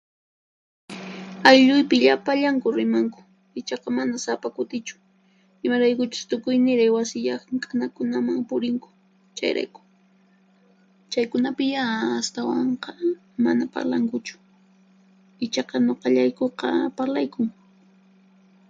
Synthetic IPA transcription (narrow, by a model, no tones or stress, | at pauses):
ajʎʊjpɪʎapaʎaŋkʊɾɪmaŋkʊ̥ | ɪt͡ʃɑqɑmanasapakʊt̪ɪt͡ʃʊ̥ | ɪmaɾajkʊt͡ʃʊ̥st̪ʊkʊjnɪɾajwasɪʎɑχkʼanakʊnamaŋpʊɾɪŋkʊ̥ | t͡ʃa̰jɾa̰jkʊ̥ | t͡ʃajkʊnapɪjaːst̪awɑɴqɑ | ma̰napa̰ɾlaŋkʊt͡ʃʊ̥ | ɪt͡ʃɑqɑɲoqɑʎajkoqɑ̰paɾlajkʊŋ